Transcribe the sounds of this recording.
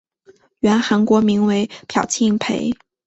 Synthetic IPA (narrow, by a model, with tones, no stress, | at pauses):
ɥɛ˧˥nxa˧˥nkwɔ˧˥mi˧˥ŋwe˧˥ɪpʰjɑ˨˩ʊt͡ɕʰi˥˩ŋpʰḛ˧˥ɪ